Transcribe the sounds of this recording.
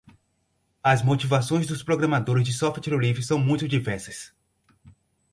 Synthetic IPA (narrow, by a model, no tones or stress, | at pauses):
ɐzmot͡ʃivasõj̃zd̪ʊspɾoɡɾɐ̃mad̪oɾɪzd͡ʒɪsɔft̪t͡ʃiɾolivɾɪsɐ̃w̃mũj̃t̪ʊd͡ʒivɛɾsɐs